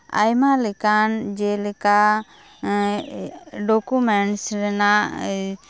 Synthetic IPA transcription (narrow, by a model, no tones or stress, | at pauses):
a̰jmalɛkand͡ʒɛlɛka | ɖɔkumɛɳʈsɾɛna